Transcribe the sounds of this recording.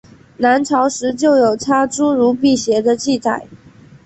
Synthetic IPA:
na˧˥nʈ͡ʂʰɑ˧˥ʊʂɻ̩˧˥t͡ɕjo˥˩ʊjo˨˩ʊʈ͡ʂʰa˥ʈ͡ʂu˥ɻu˧˥pi˥˩ɕjɛ˧˥d̪ə˧t͡ɕi˥˧t͡sa̰˨˩˦ɪ

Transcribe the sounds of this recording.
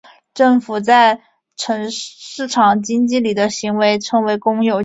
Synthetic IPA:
ʈ͡ʂɤ˥˩ŋfu˨˩t͡sa˥˩ɪ | ʈ͡ʂʰɤ˧˥ŋʂɻ̩˥˩ʈ͡ʂʰɑ˨˩ŋt͡ɕi˥ŋt͡ɕi˥˩li˨˩d̪ə˦ɕi˧˥ŋwe˧˥ɪʈ͡ʂʰɤ˧˥ŋwe˧˥ɪkʊ˥ŋjo˨˩ʊ

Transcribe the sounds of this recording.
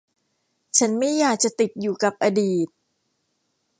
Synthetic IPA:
t͡ɕʰa˦˥nma˥˩jjaː˨˩k̚t͡ɕa˨˩t̪i˨˩t̪̚juː˨˩ka˨˩p̚ʔa˧diː˨˩t̪̚

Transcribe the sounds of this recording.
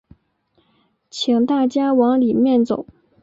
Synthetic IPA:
t͡ɕʰi˨˩ŋt̪a˥˩t͡ɕja˥wɑ˧˥ŋli˨˩mjɛ˥˩nt͡so̰˨˩˦ʊ

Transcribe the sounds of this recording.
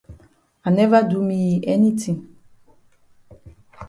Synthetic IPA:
a˨nɛ˦va˦du˦mi˦ʔɛ˦ni˦tʰĩ˨ŋ

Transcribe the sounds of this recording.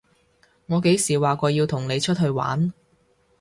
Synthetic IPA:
ŋɔː˨˧ke˨˥jsiː˨˩waː˨kʷɔː˧jiː˧wt̪ʰʊ˨˩ŋne˨˧jt͡ʃʰɵ˥t̚ɦɵ˧ɥwa̰ː˨˥n

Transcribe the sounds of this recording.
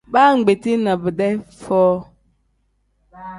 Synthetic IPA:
ba˦ŋ͡m̩˨ɡ͡be˨ti˦na˨bə˨dɛ˦fɔː˦

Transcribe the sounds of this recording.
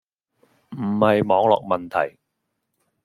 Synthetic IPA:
m̩˨˩hɐ˨jmɔː˨˥ŋlɔ̰ː˨k̚mɐ˨nt̪ʰɐ̰˨˩j

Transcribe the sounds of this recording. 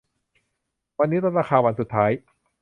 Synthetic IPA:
wa˧nːiː˦˥ɾa˧˥ɾaː˧kʰaː˧wa˧nsu˨˩t̪ʰːaː˦˥j

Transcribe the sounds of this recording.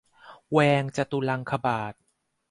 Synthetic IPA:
wɛː˧ŋt͡ɕa˨˩t̪u˧la˧ŋkʰa˧baː˨˩t̪̚

